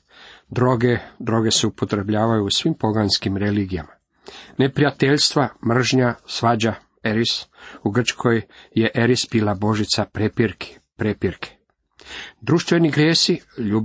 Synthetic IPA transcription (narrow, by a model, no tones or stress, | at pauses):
d̪ɾoɡed̪ɾo̞ɡe̞seupo̞t̪ɾe̞bʎaːʋajuːsʋimpo̞ɡanskimɾe̞liɡijama | ne̞pɾijat̪e̞ʎst̪ʋamr̩ʒɲasʋad͡ʑa | e̞ɾisuɡr̩t͡ʃkʰojje̞ʔe̞ɾisbiːlabo̞ʒit̪sapepɾk | pɾepiɾkʰe̥ | d̪ɾuʃt̪ʋe̞niɡɾjeːsiʎuːb